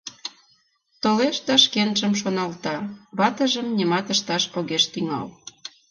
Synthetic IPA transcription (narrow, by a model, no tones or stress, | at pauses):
t̪oleʃt̪ɑʃkenʒəmʃonɑlt̪ɑβɑt̪ə̆ʒəmnʲimɑt̪əʃt̪ɑʃoɣeʃt̪yŋɑ̰l